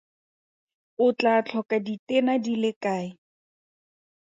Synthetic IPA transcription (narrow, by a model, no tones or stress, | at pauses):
ʊt͡ɬat͡ɬʰɔkaditɛnadilɪkaːɪ